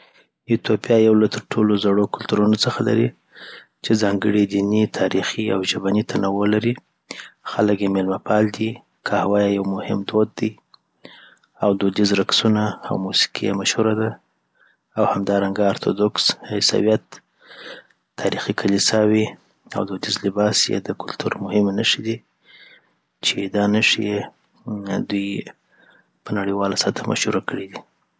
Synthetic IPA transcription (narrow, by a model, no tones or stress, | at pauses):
it̪opjɑjawlat̪əɾʈʰolozaɽokʊlt̪uɾunot͡səxala̰ɾi | t͡ʃed͡zɑŋɡəɽid̪init̪ʰɑɾixia̰wʒabanit̪ʰanawolaɾi | xaləkjemelmapʰɑld̪i | kʰahawɑjajawmʊhɪ̰md̪od̪ːəj | awd̪od̪izɾaksunaa̰wmusi̥kʰija̰maʃhuɾad̪a | awhamd̪ɑɾaŋɡaːɾt̪ʰod̪oksɪsa̰wijat̪ | ɑɾixikʰalisɑwi | a̰wd̪od̪izlɪbɑsjḛd̪əkʊlt̪ʰuɾmʊhɪmanəʂid̪i | t͡ʃed̪ɑnəʂije | d̪uj | pənaɽiwɑlasat̪ʰamʔa̰ʃhuɾakəɽid̪i